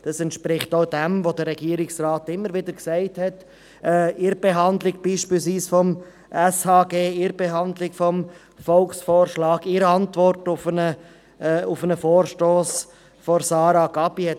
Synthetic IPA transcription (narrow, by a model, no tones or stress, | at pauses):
d̥ɑsɛntʃpɾɪχtoʊd̥ɛmvodəɾɛɡiːəɾɪksraːtɪmːəɾʋɪdəɾksæɪthɛt | ɛːɪɾb̥eɦɑndlɪɡ̚b̥iːʃpiːlsʋiːsfɔm | ʔɛshɑːɡeːɪɾb̥eɦɑndlɪkfɔm | fɔlksfoːɾʃlɑːɡɪɾəɑntvɔɾtʊfənə | ʊfənəfoːɾʃtoːs | fɔɾsɑːɾaɡɑbiɛ